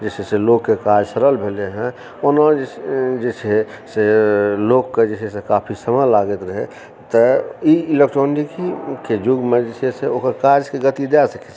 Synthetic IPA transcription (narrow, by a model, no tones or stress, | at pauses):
d͡ʒet͡ʃʰeselokːekad͡ʒsəɾəlbʱeleɦɛ̃ | onəed͡ʒet͡ʃʰe | selokːed͡ʒesʰesekapʰisəməlaɡət̪ɾəɦe | t̪əiɪlek̚ʈɾonikiked͡ʒuɡmed͡ʒesʰieseokəɾkad͡ʒkeɡət̪id̪easəke̥t͡ʃʰ